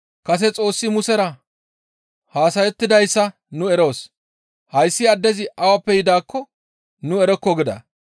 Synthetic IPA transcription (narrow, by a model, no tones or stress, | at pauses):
kɐs̬ɛt͡sʼo̞ːsːɪmʊsɛɾɐ | haːsɐjɛt̪ːɪd̪ɐjsːɐ | nʊɛɾo̞ːs | hɐjsːɪɐd̪ːɛzɪʔɐwɐpːɛjɪd̪aːkːɔ | nʊɛɾɔkːɔɡɪd̪ɐ̰